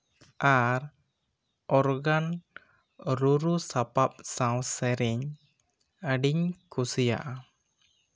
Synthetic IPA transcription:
ʔaɾ | ɔɾɡan | ɾuɾusapap̚sãwsɛɾɛɲ | aɖiɲkusija̰ʔ

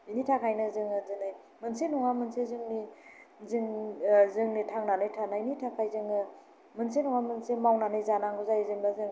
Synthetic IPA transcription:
initʰakʰajnɯzɯŋɯzɯnɯj | mɯnsenɔŋamɯnsezɯŋnizɯŋzɯŋnitʰaŋnanɯjtʰanainitʰakʰajzɯŋɯ | mɯnsenɔŋamɯnsemawnanɯjzanaŋɡuzajzɯŋbazɯŋ

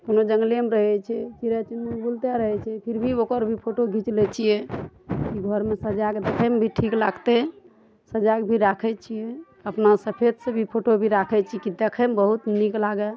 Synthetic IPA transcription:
konod͡ʒəŋɡlijəmeɾəɦɛt͡ʃʰɛt͡ʃiɾat͡ʃinbult̪jaɾəɦɛt͡ʃʰɛpʰiɾbʱiokəɾbʱipʰoʈoɡʱit͡ʃlɛt͡ʃʰijekiɡʱəɾmesəd͡ʒaɡd̪ekʰɛmebʱiʈʰiklaɡt̪e | səd͡ʒaɡbʱiɾakʰɛt͡ʃʰije | əpnasəpʰed̪sebʱipʰoʈobʱiɾakʰɛt͡ʃʰikid̪ekʰəmbəɦut̪niklaɡɛ

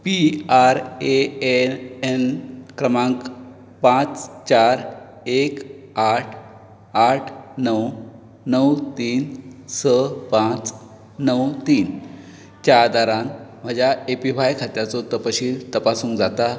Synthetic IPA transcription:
piaɾeeenkɾəmãŋk | pãt͡st͡ɕaɾ | ek | aʈʰ | aʈʰnəw | nəwt̪iːnsəpãt͡s | nəwt̪iːn | t͡ɕad̪aɾanm̤əd͡ʑjaepifajkʰat̪jat͡sot̪əpəɕiːlt̪əpasũːŋkd͡zat̪a

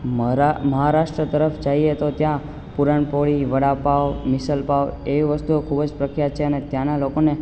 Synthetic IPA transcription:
məɦaɾaʃʈɾət̪əɾəfd͡ʒajet̪ot̪jã | puɾaɳpoɭiʋəɽapaomɪsəlpaʋeʋiʋəst̪uokʰubəd͡ʒpɾəkʰɾjat͡ʃʰeənet̪janalokone

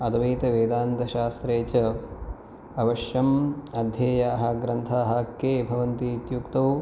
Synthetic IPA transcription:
ɐd̪ɐʋiːt̪ɐʋeːd̪aːnt̪ɐʃaːst̪ɾeːt͡ʃɐ | ɐʋɐʃjɐmɐd̪ʱjeːjaːɦɐ̆ɡɾɐnt̪ʰaːɦɐkːeːbʱɐʋɐnt̪iːt̪jukt̪ɐw

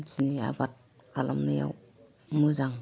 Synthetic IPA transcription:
t͡ʃinia̰bat̚ | kʰalʔamnaja̰w | mɯzaŋ

